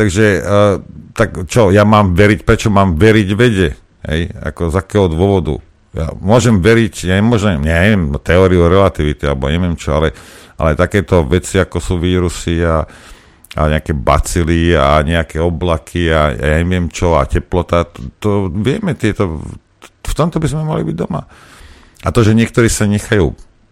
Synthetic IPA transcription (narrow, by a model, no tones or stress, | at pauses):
t̪aɡʒɛ | t̪akt͡ʃɔjamaːmʋɛɾicpɾɛt͡ʃɔmaːmʋɛɾiɟʋɛɟɛ | ɦɛ̰ja̰kɔzakɛːɦɔd̪ʊɔʋɔd̪ṵ | ja̰mʊɔʒɛmʋɛɾicjaɲɛmʊɔʒnɛɲaɲɲɛʋɪjɛmt̪ɛɔːɾiuɾɛlat̪iʋit̪ialɛbɔa̰ɲɛʋɪɛmt͡ʃɔalɛʔa̰lɛt̪akɛːt̪ɔʋɛt͡siakɔsuːʋiːɾusia | a̰ɲɛakɛːbat͡siliaɲɛakɛːɔblakʰiaa̰jaɲɛʋɪɛmt͡ʃɔacɛplɔt̪at̪ɔʋɪɛmɛt̪ɪɛt̪ɔ | ft̪ɔmt̪ɔbizmɛma̰lḭbiɟd̪ɔma̰ | at̪ɔʒɛɲɪɛk̚t̪ɔɾiːsaɲɛxajṵː